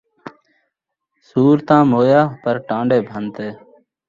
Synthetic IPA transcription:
suːɾt̪ãːmoːjaːpəɾʈãːɳɖeːbʱənt̪eː

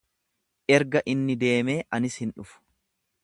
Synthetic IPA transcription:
ʔɛɾɡɐʔɪnːɪd̪e̞ːme̞ːʔɐnɪshɪnᶑʊfʊ̥

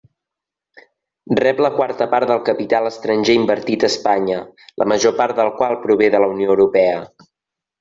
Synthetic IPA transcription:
rɛpləkwaɾt̪əpaɾt̪ðəlˠkəpit̪alˠəst̪ɾənʲʒeimbəɾt̪it̪əspaɲəlʔə̰məʒopaɾt̪̚d̪əlˠkwalˠpɾuβ̞eðələunioəwɾupɛə

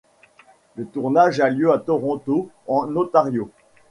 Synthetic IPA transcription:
lət̪uʁnaʒaljøat̪ɔʁɔ̃t̪o | ɑ̃not̪aʁjo

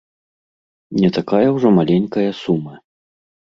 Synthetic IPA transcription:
nʲɛt̪akajɐwʐɔmalʲenʲkɐjɐsumɐ

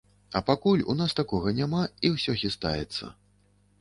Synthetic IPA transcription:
ɐpakulʲṵnast̪akɔɣɐnʲamaiwsʲɔxʲist̪a̰jɛt̪sːɐ̰

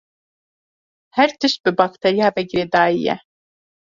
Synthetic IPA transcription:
hæɾt̪ʰiʃbibakt̪ʰeɾjavɛɡiɾɛd̪aːijɛ̰

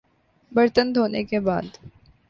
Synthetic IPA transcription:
bɐɾt̪ənd̪ʱoːnekeba̰ːd̪

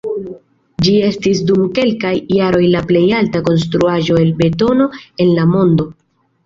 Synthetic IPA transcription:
d͡ʒie̞stis̬dumke̞lkajːaɾo̞jlaple̞jaltako̞ns̬tɾuaʒo̞e̞lbe̞to̞no̞e̞nlamo̞ndo̞

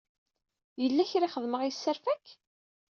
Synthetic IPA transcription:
jəlːæçɾiχəðməʁisːəɾfæk

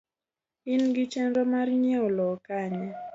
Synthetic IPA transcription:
ɪnɡɪt͡ʃɛndɔmarɲɛɔlɔkaɲɛ

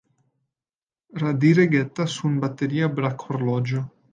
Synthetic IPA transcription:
rad̪iɾeɡɛt̪ːasunbat̪ːeɾiːabɾakʰːoɾlɔd͡ʒo

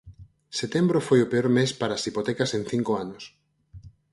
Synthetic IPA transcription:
set̪embɾofojopeoɾmespaɾaːsipot̪ɛkasẽn̟θiŋkoanʊs

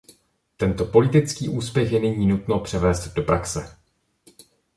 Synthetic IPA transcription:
t̪ɛnt̪o̞po̞lɪt̪ɪt͡skiːʔuːspjɛxjɛnɛɲiːnut̪no̞pr̝̥ɛvɛːzd̪do̞pɾaksɛ

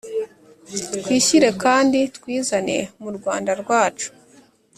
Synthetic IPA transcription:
tkwiːçiɾe̞kaːnditkwiːzane̞̰muɾɡwaːndaɾɡwaːt͡ʃu̥

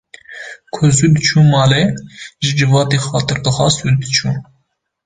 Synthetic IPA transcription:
kʰʊzud̪ɨt͡ʃʰuːmɑːlɛʒɨd͡ʒɨvɑːt̪eːxɑːt̪ɨɾd̪ɨxɑːsud̪ɨt͡ʃʰuː

